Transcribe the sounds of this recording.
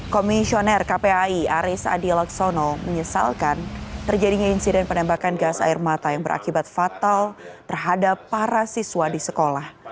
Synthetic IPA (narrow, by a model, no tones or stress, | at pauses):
komisionɛrkapeaiaɾɪsa̰dilaksonoməɲəsa̰lkant̪ərd͡ʒadiɲainsidɛnpənɛmbakanɡasa̰ɪrmat̪ajaŋbəɾʔa̰kibat̪̚fat̪alt̪ərɦadapːaɾasiswadisəkolah